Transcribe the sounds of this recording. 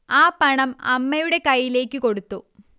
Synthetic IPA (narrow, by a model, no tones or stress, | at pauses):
aːpɐɳɐmɐ̰mːɐjuɽe̞kɐjːile̞ːkʲːɨko̞ɽut̪ːu